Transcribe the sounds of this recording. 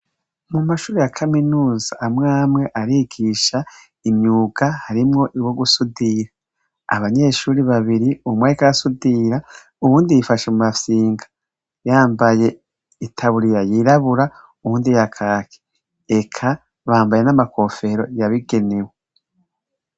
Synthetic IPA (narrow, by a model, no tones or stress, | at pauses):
mumaʃuːɾejakʰaminuːzaʔːmŋaːmŋe̞ʔaɾiɡiːʃa | imɲuːɡ̥ahaɾimŋo̞ʔiwo̞ɡusudiɾa̰ː | βaɲe̞ːʃuːɾiβaβiɾiumwaikaasudiɾa | uβuːndijifaʃemumasiːŋɡḁ | jaːmbaje̞ | itʰaβuɾiɾajiɾaβuɾa | uβuːndijakʰaːkʰe̥ | ekʰa | βaːmbaje̞namako̞fe̞ɾo̞jaβiɡe̞newe